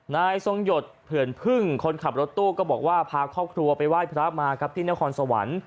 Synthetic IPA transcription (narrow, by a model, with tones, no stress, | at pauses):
naː˧jso˧ŋjo˨˩t̪̚pʰɯ˨˩ənpʰɯ˥˩ŋkʰo˧nkʰa˨˩p̚ɾo˦˥t̪ːuː˥˩kɔː˥˩bɔː˨˩k̚waː˥˩pʰaː˧kʰɔː˥˩p̚kʰɾu˧ɐpa˧jwaː˥˩jpʰɾa˦˥p̚maː˧kʰa˦˥p̚t̪ʰiː˥˩na˦˥kʰɔː˧nsa˧wa̰˩˦n